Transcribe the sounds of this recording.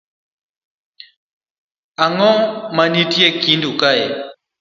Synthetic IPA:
aŋɔmanitiɛkindukaɛ

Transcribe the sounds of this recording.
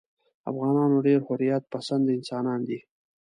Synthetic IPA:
a̰fɣɑnɑnoɖeɾhʊɾjat̪̚pasand̪ɪnsɑnɑnd̪i

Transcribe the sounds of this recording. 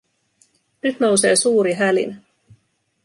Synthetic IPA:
nyt̪no̞wse̞ːsuːɾiɦælḭn

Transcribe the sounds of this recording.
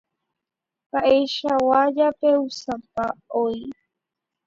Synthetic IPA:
kaʔeʃawad͡ʒapeusãpaoi

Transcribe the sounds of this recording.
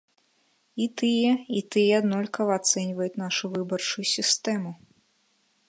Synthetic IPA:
it̪ɨjɛit̪ɨjɛad̪nɔlʲkɐvɐat̪sɛnʲvɐjut̪ʲnaʂuvɨbɐrt͡ʂujusʲist̪ɛmu

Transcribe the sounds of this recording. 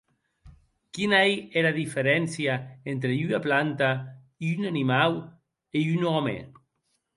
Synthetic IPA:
kinaieɾaðifeɾɛnsjaent̪ɾeynaplant̪a | iynanimaw | eynɔmḛ

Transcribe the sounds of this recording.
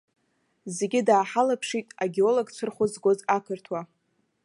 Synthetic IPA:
ze̞ɡʲɪdaːħalapʰʂitʼaɡʲeo̞loɡt͡ʃʷʰɨrχʷʊzɡozakʰɨrtʰwa

